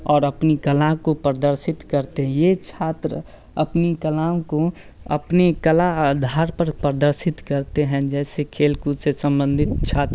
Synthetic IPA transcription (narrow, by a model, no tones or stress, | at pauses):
ɔːɾəpnikəlãkopɾəd̪əɾsɪt̪kəɾt̪eɦɛ̃jet͡ʃʰaːt̪ɾə | ɐpnikəlãːko | ɐ̰pnekəlad̪ʱaːɾpəɾpɾəd̪əɾsɪt̪kəɾt̪eɦɛ̃d͡ʒɛːsekʰeːlkusesə̃mbə̃nd̪ʱɪt̪̚t͡ʃʰaːt̪ɾ